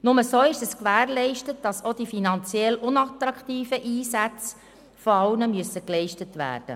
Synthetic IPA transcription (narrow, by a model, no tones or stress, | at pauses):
nʊməsoːɪʃəskʋæːɾlɛɪʃtət̚d̥ɑsodifinɑnt͡sjɛlʊnɑtɾɑkχtiːfəʔiːsæt͡s | foɑʊnəmyəsːəklɛɪʃtətʋæ̰ːrd̥ə̰